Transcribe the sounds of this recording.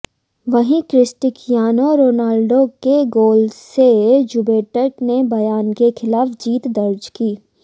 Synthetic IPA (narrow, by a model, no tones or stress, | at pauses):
ʋɐɦĩkɾɪsʈɪkʰjaːnoɾoːnaːlɖokeɡoːlsed͡ʒubeːʈəɾʈnebɐjaːnkexʰɪlaːfd͡ʒiːt̪d̪ɐɾd͡ʒkiː